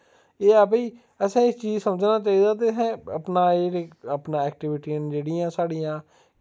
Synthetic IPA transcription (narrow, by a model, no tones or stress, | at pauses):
eːəpiː | əsãːɪt͡ʃiːzsəməd͡ʒnaːt͡ʃaːiːd̪aːt̪̬eːɦɛ̃ːəpnaːeːəpnãːɛːk̚ʈɪʋɪʈiːənd͡ʒeːɽɪːãːsaːɽijãː